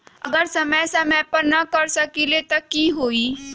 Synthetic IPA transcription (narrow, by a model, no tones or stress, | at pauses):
ə̰ɡəɾsəməjsɐməjpəɾnɐkɐɾsəkilet̪ɐkiɦoːiː